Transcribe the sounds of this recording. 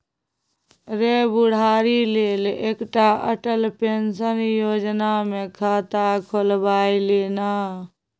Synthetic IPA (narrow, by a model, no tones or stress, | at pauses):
ɾebuɽ̤aɾilelekʈaə̰ʈəlpensənjod͡ʒnamekʰat̪akʰolbailena